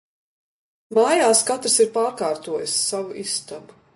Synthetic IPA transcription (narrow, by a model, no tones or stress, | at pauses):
maːjaːskat̪ɾɨsiɾpaːɾkaːɾt̪uɔjasːavuʔist̪abu̥